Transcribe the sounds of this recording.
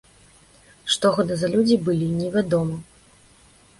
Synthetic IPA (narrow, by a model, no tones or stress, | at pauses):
ʂt̪ɔɣɔd̪ɨzɐlʲud͡zʲibɨlʲinʲɛvʲad̪ɔmɐ